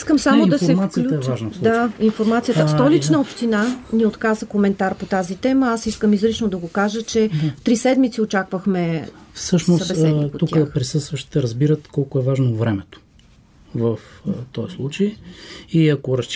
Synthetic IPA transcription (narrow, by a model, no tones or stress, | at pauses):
iskəmsamod̪ɐsɛmat̪jəlɛvaʒnəd̪ainfoɾmat̪sijət̪əsɔlit͡ʃnəopʃt̪inaniot̪kazəkomɛnt̪aɾpot̪azit̪ɛməasiskəmizɾit͡ʃnod̪ɐɡokaʒət͡ʃɛft̪ɾisɛd̪mit̪siot͡ʃakvəxmɛfsɤʃnosukəpɾisɤst̪vəʃt̪i̥t̪ɛɾəzbiɾət̪kɔlˠkoɛvaʒnovɾɛmɛt̪o̥ | vəft̪ɔjslˠut͡ʃəjiɐkoɾɐst͡ʃ